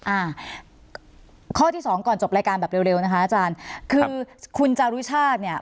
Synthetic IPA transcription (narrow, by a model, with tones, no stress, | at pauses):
ʔaː˧˩ | kʰɔː˥˩t̪ʰiː˥˩sɔː˩˦ŋkɔː˨˩nt͡ɕo˨˩pɾaː˧jkaː˧nbɛː˨˩pɾe˧wɾe˧wna˥kʰa˦˥ʔaː˨˩t͡ɕaː˧nkʰɯː˧kʰu˧nt͡ɕa˧ɾu˦˥t͡ɕʰaː˥˩t̪̚ni˥˩ɐ